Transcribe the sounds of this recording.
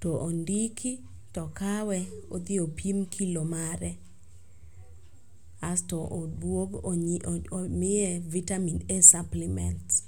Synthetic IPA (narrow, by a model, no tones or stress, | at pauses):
tɔʔondikʰi | tɔkawɛod̪ɪopimkʰilomaɾɛ | astɔʔdwoɡ | mɪɛvitaminesaplimɛ̰nt